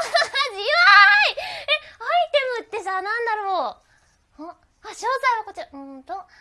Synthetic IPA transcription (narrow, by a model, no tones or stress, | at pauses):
d͡ʑiaieait̪e̞moɯt̪ːe̞saːnãnd̪aɾo̞ | hõ | aɕo̞ːt̪ainakot͡ɕihõnt̪o